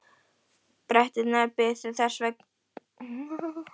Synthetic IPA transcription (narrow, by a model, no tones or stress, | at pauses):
pɾɛht̪ɪnapɪsɪθɛr̥svɛk